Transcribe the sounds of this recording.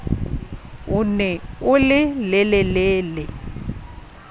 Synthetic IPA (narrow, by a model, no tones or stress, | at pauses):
ʊnɛʊlɪlɛlɛlɛːlɛ